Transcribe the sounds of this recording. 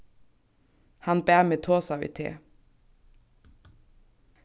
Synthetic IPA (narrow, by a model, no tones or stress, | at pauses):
hɑnbæːmeːt̪ʰoːsɑʋɪ̰t̪ʰḛː